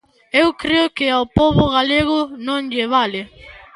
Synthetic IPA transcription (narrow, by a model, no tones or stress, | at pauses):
ewkɾeʊkɪawpɔβʊɣaleɣʊnõŋʎɪβalɪ